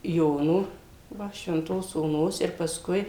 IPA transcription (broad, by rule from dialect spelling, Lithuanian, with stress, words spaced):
ˈjoːnoː ˈʋɐ ʃʲʋʲɛnˈtoːs oːˈnoːs ɪr pɐˈskʊɪ